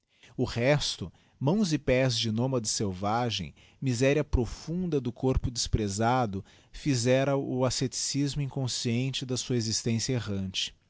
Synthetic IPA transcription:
ʊʁɛst̪ʊ | mɐ̃w̃zɪpɛzd͡ʒɪnõmɐd̪ʊsewvaʒḛ̃j̃ | mizɛɾiɐpɾofũnd̪ɐd̪ʊkoɾpʊd͡ʒ̪ɪspɾezad̪ʊ | fizɛɾɐʔʊaset͡ʃi̥sizmʊĩŋkõsiẽnt͡ʃɪd̪ɐsuɐezist̪ẽsjɐeʁɐ̃nt͡ʃɪ̥

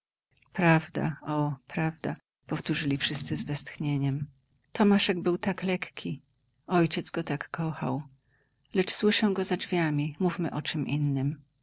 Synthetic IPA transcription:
pɾavd̪a̰ʔɔpɾavd̪a | pɔft̪uʐɘlʲifʂɘst̪sɘzvɛst̪xɲeɲɛm | t̪ɔmaʂɛɡ̚bɘwt̪aklɛkkʲʰi | ɔjt͡ɕɛt̪zɡɔt̪akːɔxa̰w | lɛt͡ʂswɘʂɛwɡɔzad͡ʐvʲjamʲimufmɘʔɔt͡ʂɘmʔinːɘm

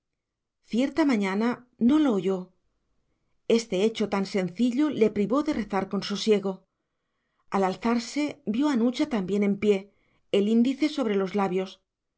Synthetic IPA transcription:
θje̞ɾt̪amãɲana | no̞loːʝo̞ | e̞st̪e̞e̞t͡ʃo̞t̪anse̞nθiʎole̞pɾiβo̞ðe̞re̞θaɾko̞nso̞sje̞ɣo̞ | alalθaɾse̞bjo̞anut͡ʃat̪ambje̞ne̞mpje̞ː | lind̪iθe̞so̞β̞ɾe̞lo̞zlaβjo̞s

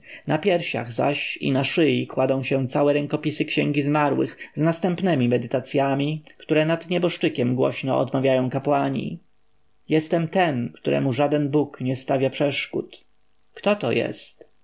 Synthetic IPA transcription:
napʲjɛɾɕa̰ɣza̰ɕḭnaʂɘjikwad̪ɔ̃w̃ɕɛ̃t̪sawɛɾɛŋkɔpʲisɘkʃɕɛ̃ŋɡʲizmaɾwɘ̰xznast̪ɛmpnɛmʲimɛd̪ɘt̪at̪sʲjamʲikt̪uɾɛnad̪ɲɛbɔʂt͡ʂɘkʲɛmɡwɔ̰ɕnɔɔ̰d̪mavʲjajɔ̃w̃kapwaɲḭ | jɛst̪ɛmt̪ɛnkt̪uɾʔɛ̰muʐad̪ɛnbukɲɛst̪avʲjapʂɛʂkṵt̪ | kt̪ɔt̪ɔjɛ̰st̪

